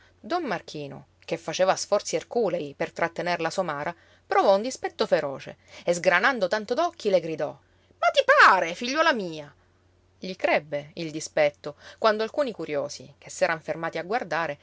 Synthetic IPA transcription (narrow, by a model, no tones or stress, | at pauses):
d̪ɔmːark̟ʰiːno̰ | k̟efːat͡ʃeːvasfɔrt̪sierkuːlejpert̪ɾat̪ːenerlasomaːɾʔa | pɾovɔund̪ispɛt̪ːofeɾɔːt͡ʃḛezɡɾanand̪ot̪ant̪od̪ɔkʰːileɡɾid̪ɔ | mat̪ipaːɾefiʎːɔːlamiːa | ʎikɾɛbːeild̪ispɛt̪ːokwand̪oalkuːnikuɾjoːsḭkʰesːɛːɾaɱfermaːt̪iaɡward̪aːɾe